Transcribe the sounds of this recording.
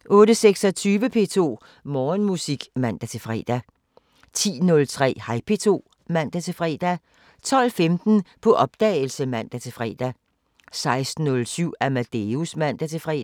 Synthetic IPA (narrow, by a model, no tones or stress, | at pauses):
ʔɔ̽ːɾəseɡ̥sɒ̽t͡sʰyːʋəpʰe̝̰ːt͡sʰo̝̰ː | mɒːnmusiɡ̥mæn̰d̥æt͡sʰe̝fʁɛ̰ːd̥æ | t͡sʰḭːnɔ̽lt͡sʰʁɛ̰ːhɑ̈ɪpʰe̝t͡sʰo̝̰ː | mæn̰d̥æt͡sʰe̝fʁɛ̰ːd̥æ | t͡sʰɒ̽l̰femd̥n̩pʰɒ̽ʔɒ̽b̥̚d̥ɛːl̩səmæn̰d̥æt͡sʰe̝fʁɛ̰ːd̥æ | sɑ̈ɪsd̥n̩ːɔ̽lsyʊ̰æmæd̥eusmæn̰d̥æt͡sʰe̝fʁɛ̰ː